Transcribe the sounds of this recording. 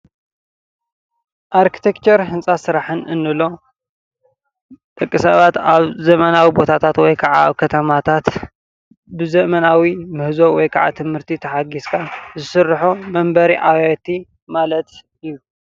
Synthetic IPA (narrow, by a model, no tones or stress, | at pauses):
ʔaɾkʰi̥t̪ʰekt͡ʃʰeɾɦɨnsʼasɨɾaħɨnʔɨnːɨlo̞ | t̪ʼɨkʼːɨsɐβat̪aβzɐmɐnawibo̞t̪ʰat̪ʰat̪wɔjkʰaʕa̰a̰βkʰɐt̪ʰɐmat̪ʰat̪ | bɨzɐʔmɐnawimɨhzo̞wɔjkʰaʕa̰t̪ʰɨmhɨɾt̪ʰit̪ʰɐħaɡiskʰazɨsɨrːħomɐmbɐɾiʔawat̪ʰi | malɐt̪ | ɨjːu